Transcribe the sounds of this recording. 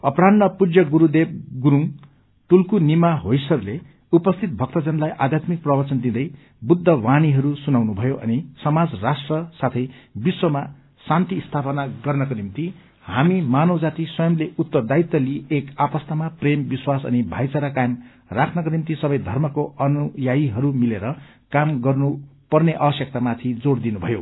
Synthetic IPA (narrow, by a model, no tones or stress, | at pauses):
ʌpɾannʌpud͡zjʌɡuɾud̪eb̚ɡuɾuŋ | ʈulkunimaɦojsʌrle | upʌst̪ʰit̪̚bʱʌk̚t̪ʌd͡zʌnlajʔad̪ʱjat̪mik̚prʌbʌrt͡sʌnd̪id̪ʌj | bud̪ʱːʌwaniɦʌɾusunawnubʱʌjoʔʌ̰nisʌmad͡zrasʈrʌsat̪ʰʌjbiswʌma | sant̪ist̪ʰapʌnaɡʌrnʌkonimt̪i | ɦamimanʌwd͡zat̪iswʌjʌmleut̪ːʌd̪ait̪ːʌliekapʌst̪ʰamaprembiswasʌ̰nibʱajt͡saɾakajem | rakʰnʌk̬onimt̪isʌbʌjd̪ʱʌrmʌkoʌnujaiɦʌɾumileɾʌ | kamɡʌrnu | pʌrneʔʌbʌsjʌk̚t̪amat̪ʰid͡zoɽd̪inubʱʌjo